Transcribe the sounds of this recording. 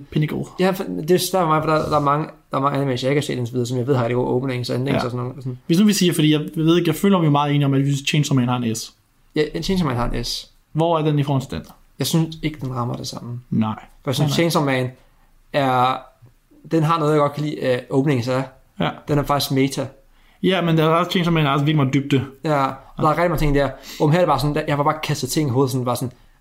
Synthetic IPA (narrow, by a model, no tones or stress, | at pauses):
pʰenəɡ̥o̰jæfd̥e̝sʋæɐ̰fɒmɑ̈ɪfɒ̽d̥ɑd̥ɑ̈æɐmɑ̈ŋəd̥ɑ̈æɐmɑŋəæn̩mensjɑeɪkʰæsḛːdensɒʋið̞ˠɐːsɒ̽mjɪʋe̝ð̰ˠhɑ̥d̥eɡo̰ʔɔʊb̥əne̝ŋsenleŋ̰sɒsɔnːoːsɔn̩ʋe̝snuʋisiːfɒd̥ḭjɑaɪʋe̝ðˠeɡ̥jɑɪføːlɐmmjo̝mɑ̈ːðˠe̝ːniɒ̽mæd̥ʋiyst͡ɕʰensmɛ̰ːnhɑ̈enes | jæenʰeːnsmɛ̰nhɑ̈enʔes | ʋɒæɐd̥enifɔːhɒnt͡sʰe̝d̥en | jɑ̈ɪsynse̝ɡ̥əd̥enʁɑ̈mɐd̥e̝sɑ̈m̰n̩nɑɪ̰fɒjasynsʰeːnsɒmɛn | æɐ | d̥enɦɑ̈nɔːðˠjɑ̈ɡ̥ɒ̽d̥̚kʰælḭːʔɔ̽ʊb̥ne̝ŋ̩sæ | d̥enæɐfɑ̈ɡ̥i̥sɡ̥met͡sʰæ | jæmend̥æɑst͡ɕʰeːnsɔmɛnæɐsʋiɡlimɑ̈d̥yb̥̚d̥ejæɒd̥ɑ̈ɐʁɛɡd̥iɑ̈ŋət͡sʰe̝ŋ̰deæɐ̰omɦæɐɾ̥e̥bɑ̈ːsɒ̽n̩jæjɑʋɑ̈b̥ɑ̈ːkʰæsd̥ð̩ˠt͡sʰe̝ŋ̰̩ɦoːðˠsɔ̽ndbɑ̈ːsn